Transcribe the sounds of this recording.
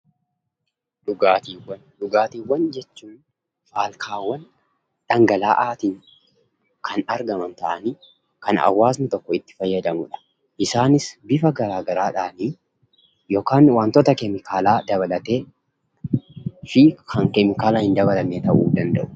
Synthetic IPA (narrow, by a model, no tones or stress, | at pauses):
ᶑʊɡaːt̪iːwːɐnᶑʊɡaːt̪iːwːɐnd͡ʒɛt͡ʃːuːn | faːlkʰaːwːɐn | ᶑ̥ɐŋɡɐlaːʔaːt̪ɪŋ | kʰɐnɐɾɡɐmɐnt̪ɐʔɐni | kɐnɐ̰wːaːsnɪt̪ɔkːɔɪt̪ːɪ̥fɐjːɐd̪ɐmʊᶑɐ̥ | ʔɪsaːnɪsbɪfɐɡɐɾaːɡɐɾaːᶑaːni | joːkaːnwaːnt̪ɔt̪ɐkɛmɪkʰaːlaːd̪ɐβɐlɐt̪eː | fikʰɐŋkɛmɪkaːlaːhɪnd̪ɐbɐlɐmet̪ɐʔuːd̪ɐnd̪ɐʔʊ̥